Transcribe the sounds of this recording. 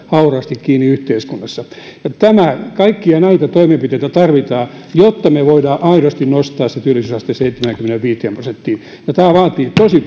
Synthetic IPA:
hɑurɑːst̪ikkiːniyht̪eiskunːɑsːɑjɑt̪æmækɑikːiɑnɑit̪ɑt̪oimempit̪eit̪æt̪ɑrʋit̪ɑː | jot̪ːɑmeʋoidɑːʔɑiɾost̪innost̪ɑːset̪yølːisysɑst̪eseit̪ːemæŋkymːeneʋʋiːt̪eæːmprosent̪ːiː | jɑt̪æːʋɑːt̪iːt̪osi

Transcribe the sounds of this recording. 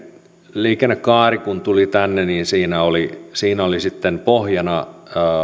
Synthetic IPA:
liːkenːekkɑːrikunt̪ulit̪ænːeniːnsiːnæolisiːnæolisit̪ːempohjɑnɑː

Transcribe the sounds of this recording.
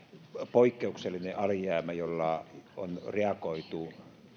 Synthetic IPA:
poikːeukselːineʔɑljæːmæjolːɑo̰nreɑkoit̪u

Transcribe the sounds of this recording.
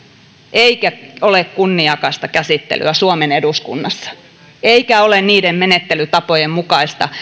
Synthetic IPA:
ʔeikæolekkunːiɑkɑist̪ɑkæsit̪ːḛly̰æsuomeneduskṵnːɑsːɑ̥ | eikæolenniːdemmenet̪ːelyt̪ɑpojemmukɑist̪ɑ̰

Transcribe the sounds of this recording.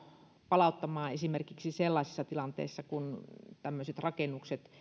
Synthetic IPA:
pɑlɑˑut̪ːɑmɑːesimerkiksiselːɑˑsisːɑt̪ilɑnt̪ḛːsːɑkunt̪æmːøset̪rɑkenːˑukset̪

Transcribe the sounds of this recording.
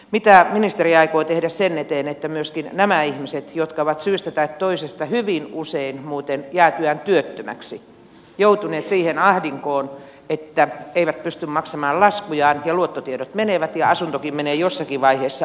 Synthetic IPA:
mit̪æminist̪eriɑikoit̪ehdæssenːet̪eːnet̪ːæmyøskinnæmæihmiset̪jot̪kɑoʋɑt̪syːst̪æt̪ɑit̪t̪oisest̪ɑhyʋinuseinmuːt̪enjæːt̪yænt̪yøt̪ːømæ̰ksi | jout̪uneːt̪siːhenɑhdiŋkoːn | et̪ːæeiʋæt̪̚pyst̪ymmɑksɑmɑːllɑskujɑːnjɑluot̪ːot̪ieɾot̪meneʋæt̪jɑɑsunt̪okimmeneːjosːɑkiʋʋɑiheːsːɑ

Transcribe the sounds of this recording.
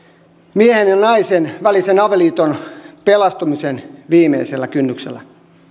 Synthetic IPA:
miehenjɑnɑisenʋælisenɑʋeliːt̪onpelɑst̪umisenʋiːmḛiselːækynːyksḛlːæ

